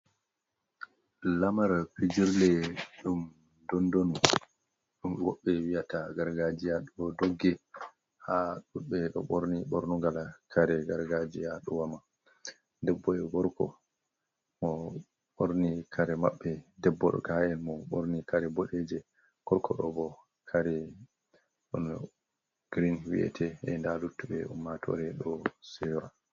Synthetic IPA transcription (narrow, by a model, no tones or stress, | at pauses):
lamaɾpid͡ʒiɾlɛɗum | dɔndonu | ɗumwɔɓːɛwijataɡaɾɡad͡ʒijaɗuɔdoɡːɛ | haɗuɓɛɗɔ̰ɓoɾniɓoɾnuŋɡalakʰaɾɛɡaɾɡad͡ʒijaɗuwama | dɛbːɔɛɡɔɾkɔ̰ | mɔ | ɓoɾnikʰaɾɛmaɓːɛdɛbːɔɗɔ̰kaɛnmɔɓoɾnikaɾɛboɗɛd͡ʒɛ | ɡ̥ɔɾkʰɔɗɔbɔ | kʰaɾɛ | ɗɔn | ɡ̥ɾinwḭʔɛ̰tʰɛɛndalutːuɓɛumːatʰɔ̰ɾɛɗɔsɛɾa